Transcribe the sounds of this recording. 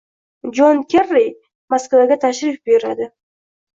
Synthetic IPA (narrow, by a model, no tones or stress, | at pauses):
d͡ʒonkʲʰerːij | maskvaɡʲat̪ʰaʃɾɪfbe̞ɾad̪ɪ